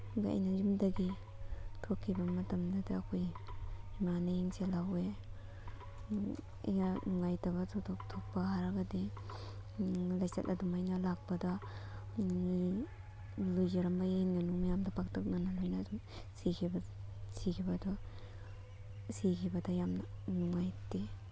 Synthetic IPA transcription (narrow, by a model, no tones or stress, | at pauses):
ɡa̰jnazimdaɡi | tʰokʰːibɐmɐtɐmdadaːkʰojimaneiŋselawe | a̰jŋaŋajtaβɐtʰotʰok̚tʰok̚paɦaɾaɡadi | lajsa̰tʔɐdumajnalak̚pada | ŋi | lojzaɾambaenɡanuŋmajamdapʰaktʰɔk̚nanalojnadumsikʰibasikʰibɐdɔ | sikʰibadajamnanŋajti